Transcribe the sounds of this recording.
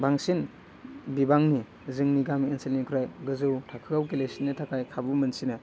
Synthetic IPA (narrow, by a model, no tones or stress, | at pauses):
baŋsin | bibaŋni | zɯŋniɡamienselnikʰuɾajɡɯzɯwtʰakʰɯawkelesinːɯtʰakajkʰabumɯnsina